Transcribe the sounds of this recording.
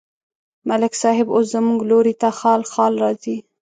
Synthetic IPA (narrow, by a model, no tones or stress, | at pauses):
malɪksɑɦɪbos̬zəmuɡloɾit̪axɑlxɑlɾɑzi